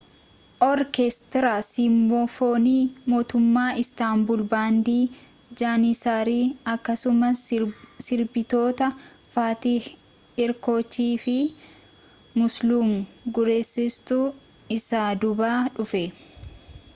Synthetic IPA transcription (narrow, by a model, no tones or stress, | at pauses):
ʔɔɾkest̪ɪɾaːsimbofoːniːmo̞ːt̪ʊmːaːʔɪst̪aːmbʊlbaːnd̪iː | d͡ʒaːnisaːɾiːɐkːɐsʊmɐssɪɾbɪt̪o̞ːt̪ɐ | faːt̪i | ɪɾko̞ːt͡ʃːiːfɪ | mʊsluːmɡʊɾeːsːɪst̪u | ɪsaːd̪ʊbaːᶑʊfɛ